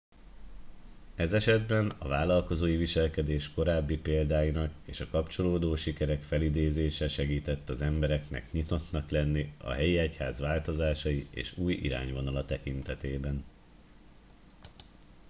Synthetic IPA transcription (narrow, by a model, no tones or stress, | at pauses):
ɛzɛʃɛd̪bɛnɒ̰vaːlɒlko̞zoːjiviʃɛlkɛd̪eːʃko̞ɾaːbːipeːld̪aːjinɒkḛːʃɒkɒpt͡ʃo̞loːd̪oːʃikɛɾɛkfɛlid̪eːzeːʃɛʃɛɡiːt̪ɛt̪ːɒzɛmbɛɾɛknɛ̰kɲit̪o̞t̪nɒklɛnːiɒ̰ɦɛjiɛchaːzʋaːlt̪ozaːʃɒjiḛːʃuːjḭɾa̰ːɲvo̞nɒlɒt̪ɛkint̪ɛt̪eːbɛn